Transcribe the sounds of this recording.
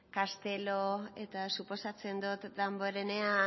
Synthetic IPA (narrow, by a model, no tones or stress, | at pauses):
kast̪e̞loe̞t̪asupo̞sat͡se̞nd̪ut̪d̪amboɾe̞ne̞a